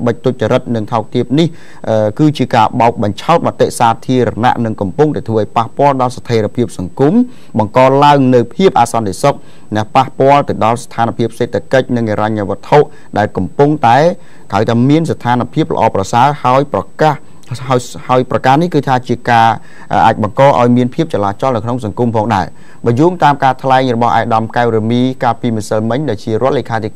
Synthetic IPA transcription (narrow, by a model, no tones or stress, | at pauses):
ɓəc̚t̪ʊc̚t͡ɕaɾət̪̚nɨŋt̪ʰaɔk̚t̪ʰiəp̚nih | ʔəkɨːt͡ɕiəkaːɓaʊk̚ɓɑɲt͡ɕʰaɔt̪̚mat̪ːeʔsaːt̪ʰiəɾana̰ʔnɨŋkɑmpuŋt̪aɛt̪ʰʋəːʔaːjpahpŏəlɗɑlst̪ʰeːɾiəpʰiəp̚sɑŋkum | ɓɑŋkɑːlaəŋnɨwpʰiəp̚ʔaːsɑnt̪esok̚ | nɛ̆əʔpahpŏəlt̪ɨwɗɑlst̪ʰaːnapʰiəp̚seːt̪ʰəkəc̚nɨŋheɾaɲːaʋət̪ʰːoʔ | ɗaɛlkɑmpuŋt̪aɛ | kaəwt̪ʰaɛmiənst̪ʰaːnpʰiəp̚lə̆ʔɑːprɑsaəhaəjprɑkah | aəj | haəjprɑkaːhnihkɨːt̪ʰaːt͡ɕiəkaː | ʔa̰ːc̚ɓɑŋkɑːʔaɔjmiənpʰiəp̚t͡ɕɑlaːt͡ɕɑlnɨwkʰnoŋsɑŋkumpʰɑːŋɗaɛ | ɓaːjuːŋt̪aːmkaːt̪ʰlaɛŋrɔɓɑhʔa̰ɛʔɗɑmkaɛwrimiːkaːpiːmisɨlmɨɲɗaɛlt͡ɕiəɾrŏət̪̚lekʰaːt̪ʰik